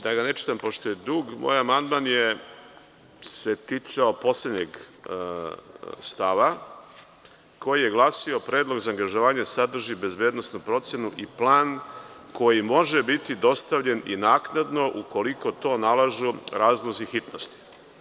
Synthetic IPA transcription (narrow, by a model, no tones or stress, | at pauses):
d̪aɡane̞t͡ʃi̥t̪ampoʃt̪o̞jed̪uːɡmo̰ːjamand̪manje | set̪it̪saopo̞slʲed̪ɲeɡ | st̪aʋa | ko̞jije̞ɡlˠaːsio̞pɾe̞ːd̪lˠo̞ɡzaːŋɡaʒoʋaːɲesad̪r̩ʒibe̞zbjeːd̪nosnupɾo̞t̪sjenuʔiplaːnko̞jimo̞ʒebit̪id̪o̞st̪aʋʎe̞ninaːknad̪no̞ʔuko̞liko̞t̪o̞ːnalaʒuɾaːzlˠozixit̪nost̪i̥